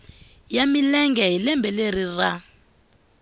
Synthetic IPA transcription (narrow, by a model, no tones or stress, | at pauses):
jamilɛŋɡʱɛɦilɛmbʱɛleɾira